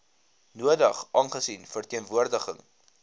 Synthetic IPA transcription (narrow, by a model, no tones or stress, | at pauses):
nuədə̰χʔɑnχəsinfərtiənvuərdəχə̰ŋ